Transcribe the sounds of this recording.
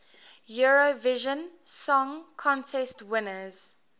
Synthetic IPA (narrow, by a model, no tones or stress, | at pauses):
juɹovɪʒə̃nsɔ̃ŋkʰɔ̃ntʰɛstwɪnəz̥